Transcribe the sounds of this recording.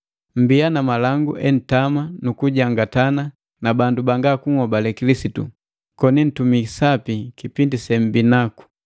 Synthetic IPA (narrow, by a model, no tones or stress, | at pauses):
m̩bianamalaŋɡuʔɛn̩tamanukuɟaŋɡatana | nabandubaŋɡakuŋhɔbalɛkilisitṵ | kɔnin̩tumisapikipindisɛm̩binaku̥